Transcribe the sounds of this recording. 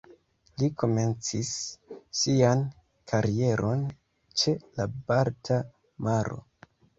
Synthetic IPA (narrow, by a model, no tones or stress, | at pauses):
liko̞me̞nt͡sisː | ian | kʰaɾie̞ɾʔo̞n | t͡ʃe̞labaɾtʰa | maɾo̞̰